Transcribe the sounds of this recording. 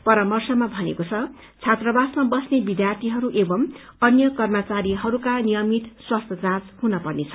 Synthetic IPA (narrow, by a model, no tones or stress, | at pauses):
pʌɾʌmʌrsʌmabʱʌnḛkot͡sʰʌ | t͡sʰat̪rʌbasmabʌsnebid̪jart̪ʰiɦʌɾuʔebʌm | ʌnjʌkʌrmʌt͡saɾiɦʌɾukanijʌmit̪swast̪ʰjʌd͡zãt͡shunʌpʌrnet͡sʰʌ